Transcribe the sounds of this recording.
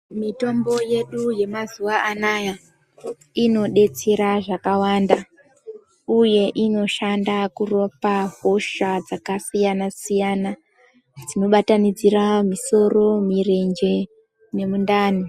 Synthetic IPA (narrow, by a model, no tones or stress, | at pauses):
mito̞mbo̞je̞ɗuje̞mazuwaʔanaja | ino̞ɗe̞t͡se̞ɾaʐakawanda | uje̞ʔino̞ʃandakuro̞paɦo̞ʃad͡zakasijanasijana | d͡zino̞ɓatanid͡ziramiso̞ro̞mire̞nd͡ʒe̞ | ne̞mundaːni